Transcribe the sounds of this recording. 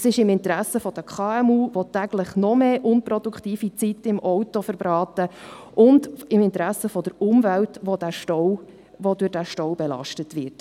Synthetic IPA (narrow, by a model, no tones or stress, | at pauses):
sɪʃɪmɪnt̪ɾæsəfɔd̥əkʰχɑːɛmuːvɔt̪æɡ̥lɪχnɔmeːʔʊnpɾɔd̥̪ukχtiːfit͡sitɪmʔɔwtɔfəɾbɾɑːtəʔʊndɪmɪntɾæsːəfɔd̥əɾʊmvæltʋod̥æʃtɔw | ʋodʊɾdæʃtɔwbɛlɑ̰ʃtətʋɪɾt